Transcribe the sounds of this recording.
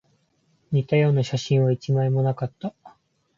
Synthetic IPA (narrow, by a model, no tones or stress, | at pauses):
ɲ̟it̪ajo̞ːnaɕaɕĩɰ̃βait͡ɕimaimo̞nakat̪ːa